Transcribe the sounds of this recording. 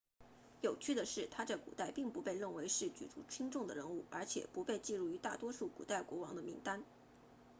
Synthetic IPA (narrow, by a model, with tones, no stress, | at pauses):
jo˨˩ʊt͡ɕʰy˥˩d̪ə˩ʂɻ̩˥˩t̪ʰa˥ʈ͡ʂɤ˥˩kṵ˨˩t̪a˥˩ɪpi˥˩ŋpu˧˥pe˥˧ɪɻə˥˩nwe˧˥ɪʂɻ̩˥˩t͡ɕy̰˨˩ʈ͡ʂṵ˧˥ʈ͡ʂʰi˥ŋʈ͡ʂʊ˥˩ŋd̪ə̰˩ɻə˧˥nu˥˩ə˞˧˥t͡ɕʰjɛ̰˨˩pu˧˥pe˥˧ɪt͡ɕi˥˧ɻu˥˩y˧˥t̪a̰˥˩t̪wɔ˥ʂu˥˩kṵ˨˩t̪a˥˩ɪkwɔ˧˥wɑ˧˥ŋd̪ə˧mi˧˥ŋt̪a˥n